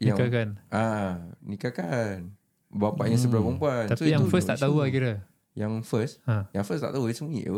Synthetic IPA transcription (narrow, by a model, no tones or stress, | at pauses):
jiaŋkakanʔanikakan | bapaʔɲə̃səbəɾabəmpuant̪at̪uijãŋŋfəst̪aʔt̪aulakiɾa | jãŋfəsajaŋfəst̪a̰ʔt̪aɦudisəmuḭʔə̰